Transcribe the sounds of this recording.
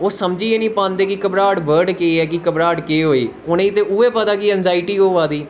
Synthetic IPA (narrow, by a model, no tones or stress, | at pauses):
oːsəmd͡ʒiːeːnĩːpãːnd̪eːkɪkəbɾaːɖbəɾɖkeɛːkɪkəbɾaːɖkeːɦoːiː | ʊnẽːt̪eːʊeːpət̪aːkɪɛ̃ːnzaːɪʈiːoːʋaːd̪iː